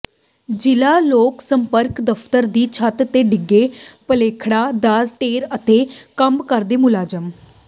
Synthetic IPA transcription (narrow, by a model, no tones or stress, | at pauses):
d͡ʒɪlaːloːksəmpəɾkd̪əpʰt̪əɾd̪iːt͡ʃʰət̪t̪eːɖɪɡːeːpəleːkʰɽaːd̪aːɾʈeːɾət̪eːkəmkəɾd̪eːmʊlaːd͡ʒəm